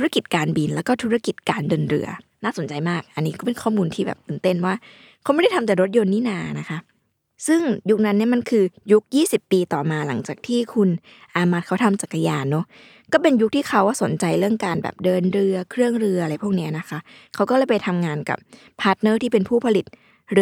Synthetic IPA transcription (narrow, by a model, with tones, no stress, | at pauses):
u˦˥a˥ki˨˩t̪̚kaː˧nbi˧nlɛː˦˥wkɔː˥˩t̪ʰu˦˥ɾa˥˩ki˨˩t̪̚kaː˧ndɤː˧nɾɯ̰˧ɐnaː˥˩so˩˦nt͡ɕa˧jmaː˥˩k̚ʔa˧nːiː˦kɔː˥˩pe˧nkʰɔː˥˩muː˧nt̪ʰiː˥˩bɛ̰ː˨˩p̚t̪ɯː˧˩nt̪e˥˩nwaː˥˩ | kʰa˦˥wm˥˩ɾt̪ʰa˧mt̪ɛː˨˩ɾo˦˥t̪̚jo˧nːiː˦˥naː˧na˦˥kʰa˦˥ | sɯ˥˩ŋju˦˥k̚na˦˥nːi˥˩ɐma˧nkʰɯː˧ju˦˥k̚jiː˥˩si˨˩pːiː˧t̪ɔː˨˩maː˧la˩˦ŋt͡ɕaː˨˩k̚t̪ʰiː˥˩kʰu˧n | ʔaː˧mːaː˦˥t̪̚kʰa˦˥wt̪ʰa˧mt͡ɕaː˨˩kʰːa˧jaː˧nːɔ˦˥ | kɔː˥˩pe˧nju˦˥k̚t̪ʰiː˥˩kʰa˦˥waː˥˩so˨˩˦nt͡ɕa˧jɾɯ˥˩əŋkaː˧nbɛ̰ː˨˩p̚dɤː˧nɾɯ˧ɐkʰɾɯ˥˩əŋɾɯ˧ɐʔa˧ɾa˧˩jpʰu˥˩əkni˦˥ɐna˦˥kʰa˦˥ʔ | kʰa˦˥wkɔː˥˩lɤː˥˩pa˧jt̪ʰa˧mŋaː˧nka̰˨˩p̚ʰː | aː˦˥t̪̚nɤː˥˩t̪ʰiː˥˩pe˧npʰuː˥˩pʰa˧li˨˩t̪̚ | ɾɯ˧